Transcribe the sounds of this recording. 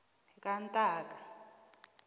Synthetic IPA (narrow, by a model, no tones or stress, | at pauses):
ikʼantʼaːk̬ʼa